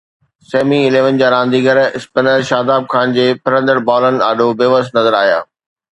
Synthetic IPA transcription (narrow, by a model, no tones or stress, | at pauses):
seːmiɪleːʋənɪ̆d͡ʑaːɾãːnd̪iːɡəɾɪspənəɾʃaːd̪aːb̚kʰaːnd͡ʑeːpɐɾə̃nd̪əɾbaːlənɪ̆a̰ːɖobeʋəsnɐzəɾaːɦija̰ː